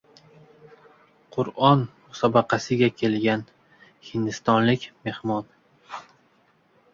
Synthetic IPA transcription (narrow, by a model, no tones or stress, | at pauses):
qʰʊɾɒnmʊsɒbɑqʰɑsɪɡʲakʲʰe̞lɡʲan | hɪnd̪ɪst̪ɒnlɪkʲme̞hmɒn